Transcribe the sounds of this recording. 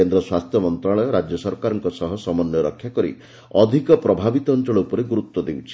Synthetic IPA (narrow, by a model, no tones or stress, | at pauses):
end̪ɾɔswast̪ʰjɔmɔnt̪ɾaɭɔɾad͡ʒjɔsɔɾkaɾɔŋkɔsɔɦɔsɔmɔnjɔɾɔkʰːjakɔɾḭ | ɔd̪ʱikɔpɾɔbʱabit̪ɔːnt͡ʃɔɭɔupɔɾeɡuɾut̪wɔd̪ewt͡ʃʰi